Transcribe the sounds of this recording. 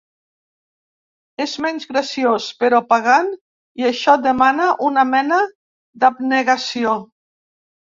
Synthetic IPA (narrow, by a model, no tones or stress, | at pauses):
ezmɛnzɣɾəsiospəɾɔpaɣ̞an | iəʃɔd̪əmanəʔunamɛnə | d̪abneɣasio